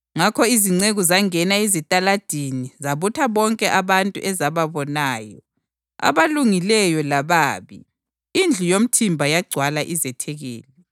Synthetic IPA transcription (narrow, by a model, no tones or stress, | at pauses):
ŋakʰɔiziŋ͡ǀeɣuzaŋɛnaizitʼalad̥ʱinizaβutʰaβɔŋkʼɛʔaβantʼṵʔɛzaβaβɔnaːjɔ̰ | a̰βaluŋilɛjɔlaβaːβḭ | ind͡ɮʱujom̩tʰimbʱajaɡ͡ǀʱwalaʔizɛtʰɛɣḛːlɛ